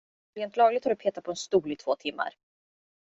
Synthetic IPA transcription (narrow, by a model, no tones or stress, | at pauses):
ɾeːnt̪lɑːɡlɪɡ̚t̪haɖɵpʰeːt̪at̪̚pʰɔɛnst̪uːlɪt̪ʰv̥oːt̪ʰɪmːa̰ɾ